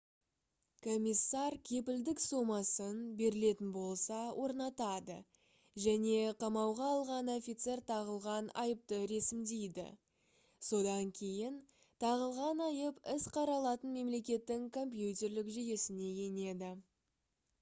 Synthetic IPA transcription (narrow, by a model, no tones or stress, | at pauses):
kʰo̞mʲisːɑɾkʲʰe̞pɪld̪ɪksomɑsənbe̞ɾɪle̞t̪ɪnbo̞lˠsɑwʔo̞ɾnɑt̪ɑd̪ə̰ | ʒæne̞qʰɑmɑwʁɑːlˠʁɑno̞fʲit̪se̞rt̪ʰɑʁəlˠʁɑnɑ̰jəp̚t̪əɾesɪmd̪e̞jd̪ɪ̰ | so̞d̪ɑŋkʲʰe̞jɪn | t̪ʰɑʁəlˠʁɑnɑjəpɪsqʰɑɾɑlˠɑt̪ənme̞mle̞kʲe̞t̪ːɪŋkʰo̞mp̬jut̪ʲe̞rlɪkʒeje̞sɪne̞je̞ne̞d̪ɪ